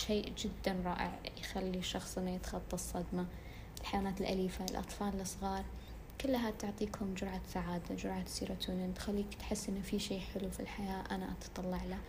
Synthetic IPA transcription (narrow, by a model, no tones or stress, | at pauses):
ʃeːʔd͡ʒɪd̪ːanɾˤɑːʔɪ̰ʕjxalːiʃɑxsˤʔɪnːajɪt̪xɑt̪ˤːɑsˤːɑd̪ma | ɪlħajwanaːt̪ɪlʔaliːfaɪlʔɑ̰t̪ˤfɑːllɨsˤɣɑːɾˤ | kʊlːɦat̪ʊʕt̪ˤiːkhʊmd͡ʒʊɾʕasaʕaːd̪ad͡ʒʊɾʕasiːɾat̪ʰuːnɪnt̪xalːiːkt̪ħɪsːʔɪnːafiʃeːħɪlufḭlħajaːʔanaʔɑt̪t̪ˤɑlːɑʕla